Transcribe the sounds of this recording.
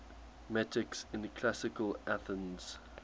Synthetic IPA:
mɛtʰɪksɪ̃nəkʰl̥asɪkəlʔaθə̃nz̥

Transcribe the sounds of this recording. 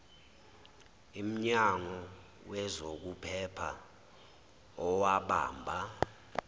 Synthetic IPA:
im̩ɲaŋɔ | wɛzok̬upʰɛpʰa | ɔwaɓa̰ːmbʱa

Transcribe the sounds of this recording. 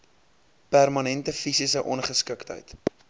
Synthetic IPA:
pærmɐnɛntəfisisəʔɔnχəskəktə̰jt

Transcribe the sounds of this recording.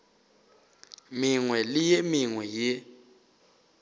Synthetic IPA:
miŋwɛlɪjemiŋwɛje

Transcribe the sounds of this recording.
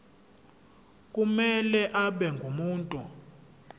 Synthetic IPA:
k̬ʼumɛlɛʔaɓɛŋɡʱumuːntʼu

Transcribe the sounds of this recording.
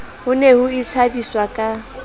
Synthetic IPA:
hʊnehʊit͡sʰabiswakʼa

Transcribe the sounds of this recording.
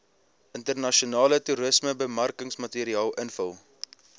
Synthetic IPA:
ʔəntərnɐʃionɑːlətuɾəsməbəmɐrkəŋsmɐtiːɾiɑːlˠənfəlˠ

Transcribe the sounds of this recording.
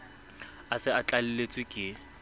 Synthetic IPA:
asɪat͡ɬʼal̩let͡sʼwɪkʼɪ

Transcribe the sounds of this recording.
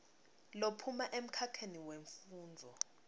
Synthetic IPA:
lopʰumaʔem̩kʰakʰeniweɱfuːnd͡zʱɔ

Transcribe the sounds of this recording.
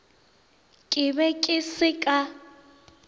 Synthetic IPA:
kʼɪbɛkʼɪsɪkʼa

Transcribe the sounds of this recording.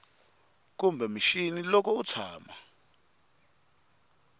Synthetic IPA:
k̬umbʱɛmiʃinilɔk̬ʰɔut͡sʰaːma̰

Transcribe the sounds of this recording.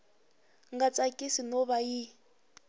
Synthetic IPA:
ŋɡat͡sʼakʼisinɔβaji

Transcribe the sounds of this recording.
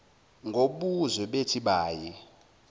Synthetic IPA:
ŋɡʱoɓuzwɛɓetʰiɓaːji

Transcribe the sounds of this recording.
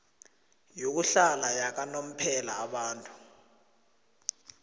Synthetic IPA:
jok̬uɬalajak̬anom̩pʰɛlaːɓaːntʼu̥

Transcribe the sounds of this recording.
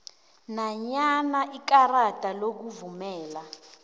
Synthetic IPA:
naɲanaʔik̬aratʼalok̬uvumɛːla

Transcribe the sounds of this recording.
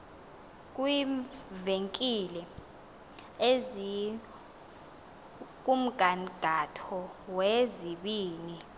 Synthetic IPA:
k̬ʼwiveŋkʼilɛ | ezi | k̬um̩ɡ̥ʱaɡ̥ʱatʰɔweziɓiːni

